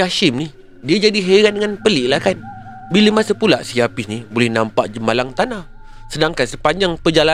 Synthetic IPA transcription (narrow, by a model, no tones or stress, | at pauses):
aʃimni | diad͡ʒadiɦeɾandəŋanpəliʔlahkan | biləmasəpula̰ʔsiapisnibolɛhnampaʔd͡ʒəmalaŋt̪anah | sədaŋkansəpaɲd͡ʒaŋpəd͡ʒala